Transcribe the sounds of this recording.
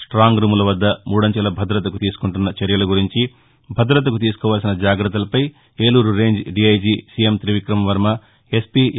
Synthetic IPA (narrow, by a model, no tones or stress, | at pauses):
sʈɾaːŋɡɾumulɐʋɐd̪ːɐmuːɽɐɲt͡ʃɐlɐbʱɐd̪ɾɐt̪̬ɐkut̪iːs̬u̥kuɳʈunːɐt͡ʃɐɾjɐlɐɡuɾiɲt͡ʃi | bʱɐd̪ɾɐt̪̬ɐkut̪̬iːsu̥kɔːʋaːls̬inɐd͡ʒaːɡɾɐt̪ːɐlɐpɐj | eːluːɾuɾe̞ːɲd͡ʒɖiɐjd͡ʒiːsijemt̪ɾiʋikɾɐmɐʋɐɾmɐ | e̞spi